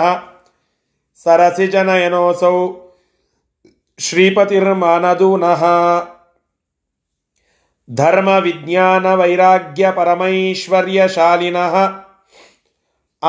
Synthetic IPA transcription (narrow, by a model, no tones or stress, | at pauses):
ɦɐ̆ | sɐɾɐsid͡ʒɐnɐjɐnoːsɐw | ʃɾiːpɐt̪iɾmaːnɐd̪unɐɦɐ | d̪ʱɐɾmɐʋid̪njaːnɐʋɐjɾaːɡjɐpɐɾɐmɐiʃʋɐɾjɐʃaːlinɐɦɐ̆